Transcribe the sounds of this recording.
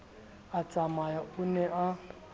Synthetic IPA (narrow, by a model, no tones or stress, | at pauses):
at͡sʼamajaunɛʔa